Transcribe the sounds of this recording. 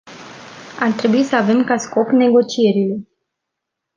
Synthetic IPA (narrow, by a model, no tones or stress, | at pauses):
art̪ɾe̞buisəave̞mkasko̞pne̞ɡo̞t͡ʃije̞ɾile̞